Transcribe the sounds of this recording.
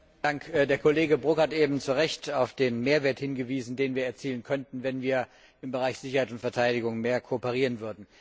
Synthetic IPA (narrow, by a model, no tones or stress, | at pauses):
d̥aŋkdeːɐkʰoleːɡəbʁʊkhatʔeːbm̩t͡suʁɛçtaʊfd̥eːnmeːɐveːɐthɪnɡəviːzn̩deːnviːɐɛɐt͡siːlənkʰœntn̩vɛnviːɐ | ɪmbəʁaɪçz̥ɪçɐhaɪtʊntfɛɐtʰaɪdɪɡʊŋmeːɐkʰoːpəʁ̞iːʁənvʏɐdn̩